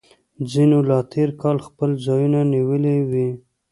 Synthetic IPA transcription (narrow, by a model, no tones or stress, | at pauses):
d͡zinolɑt̪ʰeɾkɑlxpəlzɑjunaniwəlewi